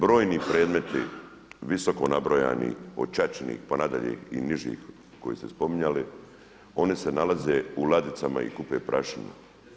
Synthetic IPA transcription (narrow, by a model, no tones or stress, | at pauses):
bɾo̞ːjniːpɾe̞ːd̪me̞t̪ḭ | ʋiso̞ko̞nabɾoja̰ːnḭot͡ʃat͡ʃnḭːxponad̪aʎḛːhiniʒḭːx | ko̞jiːst̪espo̞miɲali | o̞nise̞nalaze̞ulad̪it̪sama̰ḭkupeːpɾʔaʃinṵ